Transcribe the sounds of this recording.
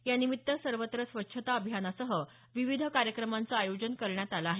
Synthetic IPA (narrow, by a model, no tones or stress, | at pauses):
janimit̪ːəsəɾʋət̪ɾəsʋətːɕʰət̪aəbʱjanasəɦə | ʋiʋid̪ʱəkaɾjəkɾəmant͡saajod͡ʑənkəɾɳjat̪alaːɦe